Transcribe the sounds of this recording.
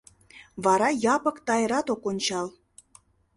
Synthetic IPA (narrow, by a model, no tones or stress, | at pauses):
βɑɾɑjɑpə̆kt̪ɑjəɾɑt̪okonʲt͡ɕɑl